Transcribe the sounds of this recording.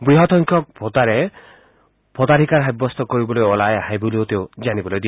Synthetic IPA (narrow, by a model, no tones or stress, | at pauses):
bɾiɦɔt̪ɔŋkʰjɔk̚bʰʱot̪aɾe | bʰʱɔt̪aɾʱikaɾɦebːɔst̪ɔkɔɾibɔlojɔlajaɦajbuliot̪eod͡ʒanibɔlojd̪i